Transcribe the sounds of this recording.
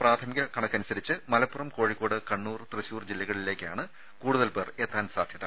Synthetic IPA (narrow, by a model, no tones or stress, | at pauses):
praːt̪ʰɐmiɣɐkɐɳɐkːɐnusɐɾit͡ɕːɨmɐlɐpːurɐmko̞ːɻikːo̞ːɽɨkɐɳːuːrt̪rɨɕuːrd͡ʑilːɐɣɐɭile̞ːkʲːa̰ːɳɨ | kuːɽuðɐlpe̞ːreːt̪ːaːnsa̰ːd̪ʱjɐðɐ